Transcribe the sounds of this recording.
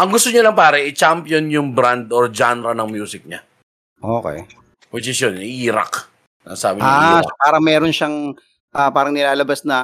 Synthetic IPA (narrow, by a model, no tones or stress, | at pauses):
ʔɐŋɡʊst̪oɲalɐŋpaːɾɐʔɪt͡ʃampjonjʊŋbɾand̪oɹd͡ʒanɾɐnɐŋmjuːsɪk̚ɲa | ʔoːkɛ̰j | wɪd͡ʒɪsjonɪʔiːɾa̰k | nɐ̰sa̰ːbɪʔaːɐpaːɾɐŋmɛːɾonʃaŋ | ʔaːpaːɾɐŋnɪlaːlɐbasnɐ